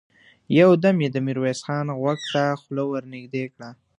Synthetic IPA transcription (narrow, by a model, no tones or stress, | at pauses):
jawd̪amjed̪əmiɾwesxɑnɣwaɡt̪axlowəɾnɪɡd̪ekɽa